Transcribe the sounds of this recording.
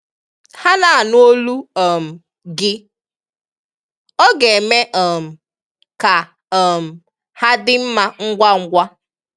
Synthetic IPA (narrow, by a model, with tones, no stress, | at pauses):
ha˦na˨a˨n˦o˦lu˦ɔ˨m̩˨ | ɡɪ˦ | ɔ˦ɡe˨e˨me˦ʔɔ˨m̩˨ | ka˨ | ɔ˨m̩˨ | ha˦dɪ˦m̩˦ma˦ŋ̩˦ɡʷa˦ŋ̩˦ɡʷa˦